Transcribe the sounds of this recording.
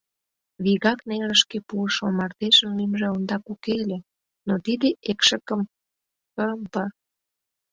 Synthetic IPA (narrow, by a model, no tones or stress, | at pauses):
βiɣɑknelə̆ʃkepuəʃomɑrt̪eʃəmːymʒeond̪ɑkukelʲe | not̪id̪eʔekʃə̆kə̆m | əɾəmpə